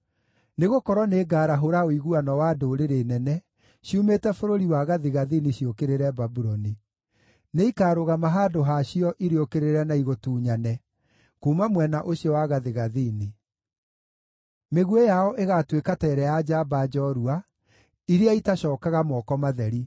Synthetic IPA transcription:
neɣokɔɾwɔneːɡaːɾaɦoɾaoiɣuanɔwadoɾeɾenɛnɛ | ɕiumetɛfoɾoɾiwaɣaðeɣaðiniɕiokeɾeɾɛbabuɾɔni | neikaːɾoɣamaɦaːdoɦaɕiɔʔiɾeokeɾeɾɛnaiɣotuːɲanɛ | koːmamwɛnaʔoɕijɔwaɣaðeɣaðine | meɣuejaɔʔeɣatwekatɛːɾɛjad͡ʒabad͡ʒɔɾua | iɾeaitaɕɔːkaɣamɔkɔmaðɛɾi

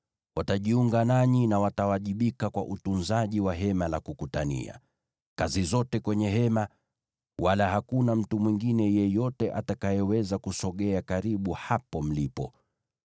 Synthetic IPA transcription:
wataʄiuŋɡanaɲinawatawaʄiɓikakwa̰ʔutunzaʄiwaɦɛmalakukutanḭa̰ | kazizɔtɛkwɛɲɛɦɛma | walahakunam̩tumwiŋɡinɛjɛjɔtɛʔatakajɛwɛzakusɔɠɛakaɾiɓuhapɔm̩lipɔ

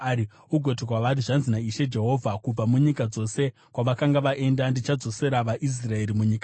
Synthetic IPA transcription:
uɡʱo̞tikwaʋat̬iʐanzinaiʃe̞d͡ʒe̞ɦo̞ːvʱakub͡vamuɲikad͡zo̞se̞ | kwaʋakaŋɡaʋaʔe̞ndandit͡ʃad͡zo̞se̞ɾaʋaʔis̬rae̞ɾimuɲiːka

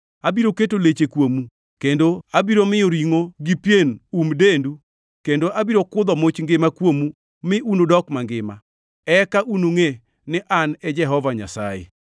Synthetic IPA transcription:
abiɾoketolet͡ʃekwomu | kendoabiɾomɪoɾiŋoɡipjenumdendu | kendoʔabiɾokʊd̪ɔmot͡ʃŋɡɪmakwomu | mɪʔunodɔkmaŋɡɪma̰ | ɛkaʔunoŋe | nɪʔanɛd͡ʒɛɦɔvaɲa̰sa̰jḛ

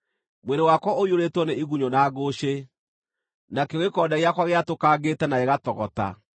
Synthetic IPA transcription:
mweɾdewakwɔʔoioɾetwɔneiɣuɲonaːɣoɕe | nakeoɣekɔːdaɣeakwaɣeatokaːɡetɛnaeɣatɔɣɔta̰

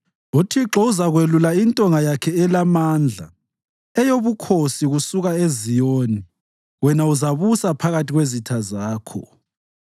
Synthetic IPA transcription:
utʰiǁɔuzaɣwelulaintʼɔŋajakʰɛɛlamand͡ɮʱa̰ | ɛjoβukʰosiɣusuɣaezijoːni | wɛnauzaβusapʰaɣatiɣwezitʰazaːkʰɔ̰

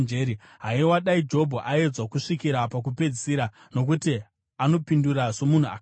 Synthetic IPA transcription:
d͡ʒeːɾi | ɦaiwaɗaid͡ʒo̞bʱoʔae̞d͡zwakuʂikiɾapak̬upe̞d͡zisiɾa | no̞k̬uti | ano̞pinduraʐo̞mun̤ua̰

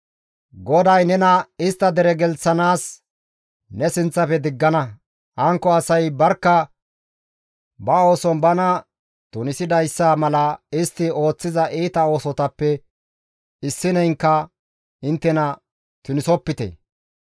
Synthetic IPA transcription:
ɡɔd̪ɐjnɛnɐɪst̪ːɐd̪ɛɾɛɡɛlsɐnaːs | nɛsɪnt͡sːɐpɛd̪ɪɡːɐnɐ | ʔɐŋkːɔɐsɐjbɐɾkːɐ | bɐo̞ːsɔnbɐnɐ | t̪ʊnɪsɪd̪ɐjsːaːmɐlɐɪst̪ːɪo̞ːt͡sːɪzɐʔiːt̪ɐo̞ːsɔt̪ɐpːɛ | ɪsːɪnɛjŋkːɐ | ɪnt̪ːɛnɐ | t̪ʊnɪsɔpːɪt̪eɛ̰

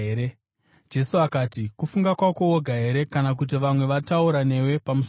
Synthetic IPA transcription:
eɾe | d͡ʒe̞suakaːtikufuŋɡakwako̞woɡʱaɦe̞ɾe̞kanak̬ut̬iʋamwe̞ʋatauɾane̞we̞pamus

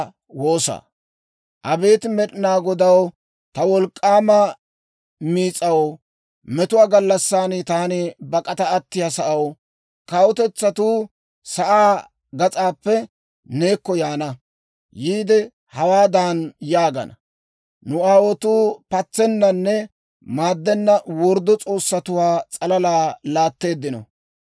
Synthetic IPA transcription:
wo̞ːsa̰ | ʔɐbe̞ːt̪mɛɗɪnaːɡɔd̪ɐw | t̪ɐwɔlkʼːaːmɐ | miːt͡sʼɐw | mɛt̪ʊwaːɡɐlːɐsːaːnɪt̪aːnɪbɐkʼɐt̪ɐɐt̪ːɪjasɐʔɐw | kɐwɔt̪ɛt͡sːɐt̪uː | sɐʔaː | ɡɐt͡sʼaːpːɛ | neːkːɔjaːnɐ | jiːd̪ɛ | hɐwaːd̪aːnjaːɡɐ̰nɐ̰ | nʊaːwɔt̪uːpɐt͡sːɛnːɐnːɛ | maːd̪ːɛnːɐwɔɾd̪ːɔt͡sʼo̞ːsːɐt̪ʊwaːt͡sʼɐlɐlaːlaːt̪ːe̞ːd̪ːɪnɔ̰

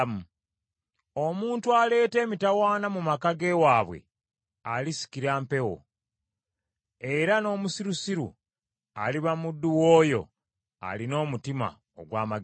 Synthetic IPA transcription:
m | o̞muːntuale̞ːte̞ːmitawaːnamumakaɡe̞waːβwe̞̰ | alisi̥kiɾaːmpe̞wo̰ | e̞ɾano̞ːmusiɾusiɾṵ | a̰liβamudːuwoːjo̞̰ | a̰lino̞ːmutima̰ | o̰ɡwaːma

